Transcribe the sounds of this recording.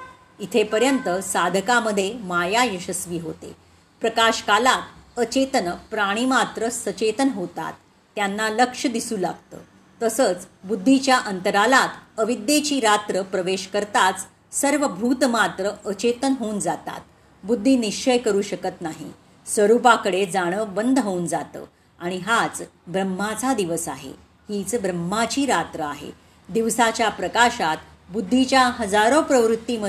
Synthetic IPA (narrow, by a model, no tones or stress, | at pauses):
it̪ʰepəɾjənt̪əsad̪ʱəkaməd̪ʱːjemajajəɕəsʋiːɦot̪ḛ | pɾəkaɕkalat̪ət͡ɕet̪ənpɾaɽ̃iːmat̪ɾəsət͡ɕet̪ənɦot̪a̰t̪ː | janːaləkʂəd̪isuːla̰ɡ̚t̪ə̰ː | t̪əsəːt͡sbud̪ʱːit͡ɕjaʔənt̪əɾalat̪əʋid̪ːet͡ɕiːɾat̪ɾəpɾəʋeɕkəɾt̪at͡s | səɾʋəbʱuːt̪mat̪ɾəət͡ɕet̪ənɦouːnd͡zat̪a̰t̪̚ | bud̪ʱːiːniʂt͡ɕəjkəɾuːɕəkət̪naɦḭ | sʋəɾupakəɽed͡zaɽ̃əbənd̪ʱɦound͡zat̪ə̰ː | aɽ̃iɦat͡sbɾəmːat͡sad̪iʋəsaɦḛ | hit͡sbɾəmːat͡ɕiːɾat̪ɾəaɦḛ | d̪iʋsat͡ɕjapɾəkaɕat̪ | bud̪ʱːit͡ɕjaɦəd͡zaɾopɾəʋɾut̪ːimə